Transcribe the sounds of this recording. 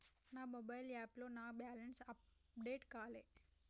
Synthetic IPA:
naːmobajlaːploːnaːbaːlɐnsɐp̚ | ɖeːʈkaːleː

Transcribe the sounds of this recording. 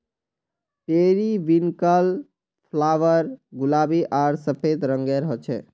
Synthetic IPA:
peɾiʋinkəl | pʰlaʋəɾɡulabiʔaɾsəpʰed̪ɾəŋɡeɾɦət͡ʃʰɛ̰

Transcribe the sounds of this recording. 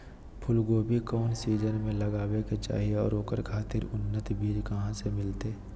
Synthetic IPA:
pʰʊlɡoːbikɔːnsiːzənmẽləɡaːweket͡ʃa̰ːɦieɔːɾoːkəɾkʰaːt̪ɪɾʊnːət̪bʱiːd͡ʒkəɦãsemɪlt̪eː

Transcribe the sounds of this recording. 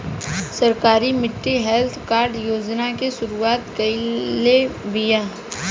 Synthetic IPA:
səɾkaːɾimɪʈːiɦɛlt̪ʰkaːɾɖjoːd͡ʒnakeʃʊɾuaːt̪kəɪlebɪjaː

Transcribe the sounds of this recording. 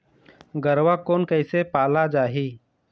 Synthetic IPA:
ɡəɾwakoːnkəɪsepaːlad͡ʒaːɦiː

